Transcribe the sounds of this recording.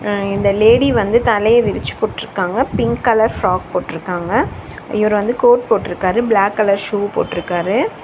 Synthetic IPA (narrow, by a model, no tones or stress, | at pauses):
ɪnd̪ɐleːɽiʋɐnd̪ɯt̪ɐlɐjɐʋɪɾɪt͡ʃːɯ̥poːʈːɪɾɯkːaːŋɡɐpɪŋkːɐlɐɾfɾaːk̚poːʈːɪɾɯkːaːŋɡɐ | ɪʋɐɾɯʋɐnd̪ɯkoːʈ̚poːʈːɪɾɯkːaːɾɯblaːkːɐlɐɾʂuːpo̰ːʈːɪɾɯkːaːɾɯ